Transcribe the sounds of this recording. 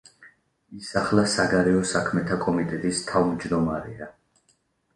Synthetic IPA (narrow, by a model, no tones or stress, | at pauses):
isaχlasaɡaɾɛɔsakʰmɛt̪ʰakʼɔmit̪ʼɛt̪ʼist̪ʰavmd͡ʒd̪ɔmaɾɛ̰a